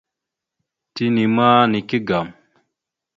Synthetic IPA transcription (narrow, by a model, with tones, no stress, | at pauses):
ti˦ni˨ma˦ni˨ki˦ɡa˨m